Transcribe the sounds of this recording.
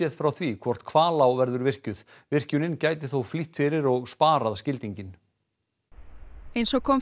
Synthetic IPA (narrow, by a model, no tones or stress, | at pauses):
ɛðfɾawθvikʰvɔr̥t̪kʰvaːlawvɛɾðʏɾvɪr̥cʏð | vɪr̥cʏnɪncaːjt̪ɪθowfliht̪fɪɾɪɾɔɣspaːɾaðscɪlt̪iɲcɪn | ejnsɔkʰɔm